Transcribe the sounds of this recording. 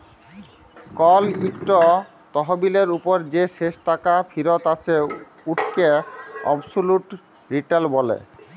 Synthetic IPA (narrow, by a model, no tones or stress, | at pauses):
kɔlikʈo | t̪ɔɦobileɾupoɾd͡ʑeʃeʃʈakafʰiɾot̪at͡ɕʰe | uʈʰkeɔ̰bsuluʈ | ɾiʈalbɔlḛ